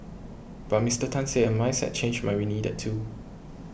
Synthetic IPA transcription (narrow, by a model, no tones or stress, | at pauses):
b̥at̚mistətʰãnseɛ̃nmaɪsɛ̰t̚t͡ʃʰẽnd͡ʒmaɪɹinidɛ̰tʰːu